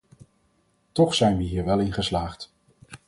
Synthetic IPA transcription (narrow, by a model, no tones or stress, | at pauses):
tɔχsɛjnʋəɦiːɹʋɛlˠɪnχəslaːχt